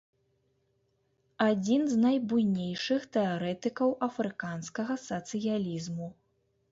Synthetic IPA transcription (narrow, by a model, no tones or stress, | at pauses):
ad͡zʲinznɐjbujnʲejʂɨxt̪ɛaɾɛt̪ɨkɐwʔɐfɾɨkanskɐɣɐsɐt̪sɨjalʲizmu